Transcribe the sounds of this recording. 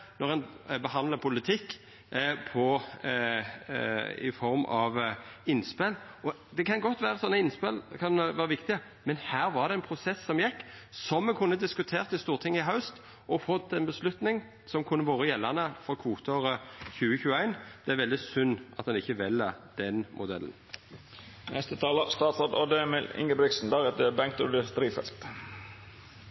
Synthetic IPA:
nɔʁɛn | bəɦɑnlɑpʰʊlɪt̪ʰɪkː | pʰɔ | ɪ̰fɔɾmɑʋɪnːspɛlɔ | d̪ɛkʰɑnɡɔt̪ːʋæːɾəsɔnːəɪnːspɛlkʰɑnʋæːɾəʋɪkt̪ɪə | mɛnhæːɾʋɑʁd̪ɛænpʰɾʊsɛsːɔmjɛkːsɔmːɛkʰʊnːəd̪ɪskʉt̪ʰeːʁt̪ɪst̪uːʁt̪ʰɪŋːɪɦɑʉst̪ | ʔɔfɔt̪ʰːɛnbəslʉt̪nɪŋ | sɔmkʰʊnːəʋoːʁəjɛlːɑnəfɔkʰʋuːt̪ʰoʁəçʉːəçʉːəæɪnd̪̥ɛæɾʋɛld̪ɪsʉnːʔɑt̪ɑnɪçːəʋɛlːəd̪̥ɛnmʔʊd̪ɛ̰lə̰n | nɛst̪ət̪ʰɑːləst̪ɑːt̪sod̪od̪ɛmɪlɪ̰ŋɡəbɾɪksn̩d̪ɑɡɛt̪əbæŋk̚t̪ʊd̪əst̪ɾiːfɛ̰lt̪

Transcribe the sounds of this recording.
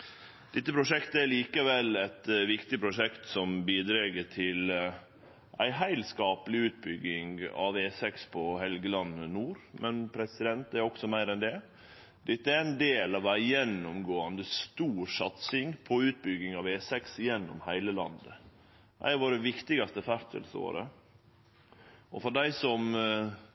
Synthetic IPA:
d̪̥ɛt̪ːəpʰɾʊʂɛkt̪əæɾɭiːkəʋɛlɛt̪ʋɪkt̪ɪpʰɾʊʂɛkt̪sɔmbiːd̪ɾeːɡəʈʰɪl | ʔæ̰ɪɦæɪlskɑːpəlɪʉːt̪̚bʏɡːɪŋɑ̰ʋeːsɛkspʰɔhɛlɡəlɑnːənuːɾmʔɛnpʰɾɛsɪd̪ɛnt̪æɾɔksɔmæɪɾɛnd̪ɛ | d̪̥ɪt̪ːəæɾæɪnd̪eːlɑʋæɪjɛnːʊmɡoːɑnd̪əst̪uːɾsɑt̪sɪŋpʰɔʉːt̪̚bʏɡɪŋɑʋeːsɛksjɛnːɔ̰mhæɪləlɑ̰nd̪ə | ʔæ̰ɪɑʋoːɾɛʋɪkt̪ɪɡɑst̪əfæɾt̪ʰə̰lso̰ːɾə̰ | ʔɔfɔɖæɪsɔm

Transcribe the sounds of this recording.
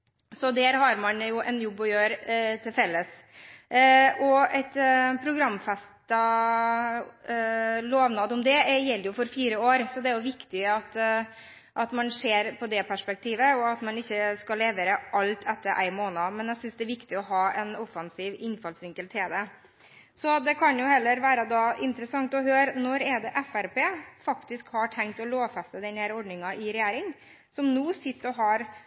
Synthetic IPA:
sɔd̪æːɾhɑɾmɑnjʊʔɛnjɔbːɔjøːɾt̪ʰɪlfɛlːəs | ɔɛɪt̪pʰɾʊɡɾɑmːfɛst̪ɑ | loːʋnɑd̪ɔmd̪ɛjɛlːəjʊfɔɾfiːɾəoːɾsɔd̪ɛæɾjʊʋɪkt̪ɪɑt̪ | ʔɑt̪mɑnseːɾpʰɔd̪ɛpʰæʂpɛk̚t̪ʰiːʋəɔɑt̪mɑnɪçːəskɑleːʋəɾəʔɑlt̪ʰɛt̪ːəɾʔæ̰ɪmoːnɑmɛnjæsʏnsd̪ɛæɾʋɪkt̪ɪɔɦɑːɛnɔfɑnsiːʋɪnfɑlsʋɪŋkəlt̪ʰeːd̪ɛ | sɔd̪ɛkʰɑnjʊhɛlːəɾʋæːɾəd̪ɑːɪnt̪əɾəsɑŋt̪ɔɦøːɾnɔɾɛd̪ɛʔɛfæɾpeːfɑkt̪ɪskhɑʈʰɛŋkt̪ɔloːfɛst̪əd̪ɛnhæːɾɔɖnɪŋɑʔɪɾɛjæːɾɪŋ | sɔmnuːsɪt̪ːɔɦɑɾ

